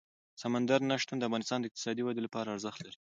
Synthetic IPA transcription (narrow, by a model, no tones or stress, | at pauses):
samand̪aɾnaʃt̪und̪əafɣɑnɪst̪ɑnd̪əɪq̚t̪ɪ̥sɑd̪iwad̪elapɑɾaːɾzəxt̪laɾi